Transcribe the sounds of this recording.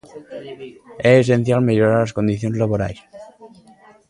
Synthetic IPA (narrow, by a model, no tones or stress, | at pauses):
ees̬e̞n̟θjalmeʎoɾaɾlasko̞nd̪iθjonzlaβoɾa̰js